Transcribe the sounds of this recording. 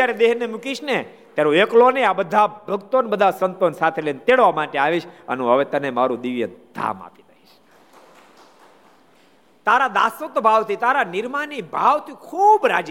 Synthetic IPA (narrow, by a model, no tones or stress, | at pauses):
jaɾed̪eɦnemukiʃne | t̪jaɾoekloneabəd̪ʱabʱəɡt̪onbəd̪ʱasənt̪onsat̪ʰelent̪eɭʋamaʈeaʋiʃə̰nũɦəʋet̪ənemaɾũd̪iʋjəd̪̥ʱa̰ma̰pit̪əiʃ | t̪aɾad̪a̰sut̪bʱaʋt̪ʰit̪aɾanɪɾmanibʱaʋt̪ʰikʰuːbɾa̰d͡ʒ